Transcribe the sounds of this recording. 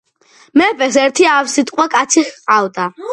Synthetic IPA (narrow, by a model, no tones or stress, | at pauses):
mɛpɛsɛɾt̪ʰiafsit̪ʼqʼwakʼat̪sʰiχqʼawd̪a